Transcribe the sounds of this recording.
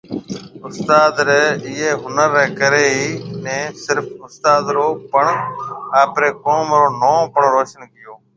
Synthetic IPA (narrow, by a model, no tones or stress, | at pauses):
ʊst̪aːd̪ɾeːɪːeːɦʊnəɾːɛːkəɾeːiːnẽːsɪɾfʊst̪aːd̪ɾoːpəɳaːpɾeːkoːmɾoːnõːpəɳɾoːʃənkɪjoː